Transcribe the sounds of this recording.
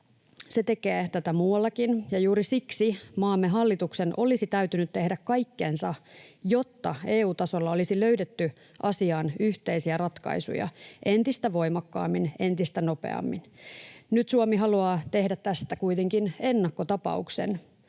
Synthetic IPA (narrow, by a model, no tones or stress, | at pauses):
set̪ekeːt̪æt̪æmuːɑlːɑkinjɑjuːɾisiksimɑːmːeɦɑlːit̪uksenʔo̞lisit̪æyt̪ynyt̪t̪e̞hdækkːɑjkːensɑjo̞t̪ːɑe̞ːuːt̪ɑso̞lːɑo̞lisiløydet̪ːy | ʔɑsiɑːnyht̪eisiærɑt̪kɑ̰isṵjɑ̰ʔe̞nt̪ist̪æʋo̞jmɑkːɑ̰ːmːine̞nt̪ist̪æno̞pḛɑ̰mːinnyt̪suomiɦɑluɑːt̪e̞hdæt̪t̪ːæst̪ækuit̪eŋkinenːɑkːot̪ɑpɑ̰uksḛn